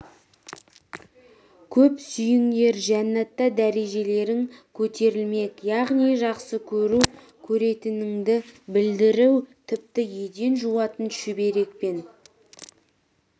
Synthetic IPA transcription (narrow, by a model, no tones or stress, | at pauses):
kʲʰɵpsʏjɪŋd̪e̞ɾʒænːɑt̪ːɑd̪æɾe̞ʒe̞le̞ɾɪŋkʲʰɵt̪ʰe̞ɾɪlme̞kjɑʁnijʒɑqsəkʲʰɵɾu | kʲʰɵɾe̞t̪ɪnɪŋd̪ɪbɪld̪ɪɾɪwt̪ʰɪp̚t̪ɪje̞d̪e̞nʒuwɑt̪ənʃɪbe̞ɾe̞k̚pe̞n